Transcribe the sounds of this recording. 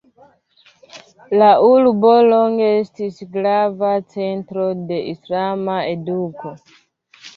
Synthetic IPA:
laʔulbo̞loŋɡeestisɡlavat͡se̞ntɾo̞de̞ʔislamaeduko

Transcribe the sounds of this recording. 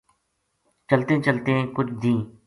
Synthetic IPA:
t͡ʃəlt̪ẽt͡ʃəlt̪eẽːkʊt͡ʃʰd̪ĩː

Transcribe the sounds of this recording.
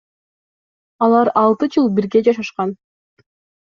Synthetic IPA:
ɑlˠɑɾɑlˠt̪ɯd͡ʒɯlˠbiɾɡe̞d͡ʒɑʃ̬ɑʃqɑn

